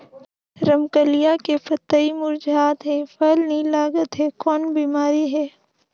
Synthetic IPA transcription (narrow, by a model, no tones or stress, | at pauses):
ɾəmkəlijakepɐt̪ːəimʊɾd͡ʒaːt̪ɦɛ̃fəlnĩlaːɡət̪ɦɛkɔːnbiːmaːɾiɦɛː